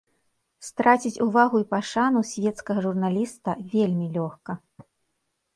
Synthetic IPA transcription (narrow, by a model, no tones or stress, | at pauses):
st̪ɾat͡sʲit͡sʲuvaɣuipaʂanusʲvʲɛt̪skɐɣɐʐurnalʲist̪ɐvʲelʲmʲilʲɔxkɐ